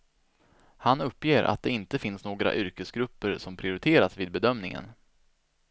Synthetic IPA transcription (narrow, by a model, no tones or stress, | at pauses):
hanɵpːjeːɾʔa̰t̪̚d̪ɛɪnt̪əfɪnsnoːɡɾa̰ʔʏɾkəsɡɾɵpːəɾsɔmpʰɾɪʊɾɪt̪ʰeːɾasviːd̪̚bɛd̪œmnɪŋə̰n